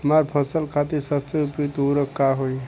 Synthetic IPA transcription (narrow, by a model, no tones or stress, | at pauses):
ɦəmaɾpʰəsəlkʰat̪iɾsəbseupit̪oɾəkːaɦoj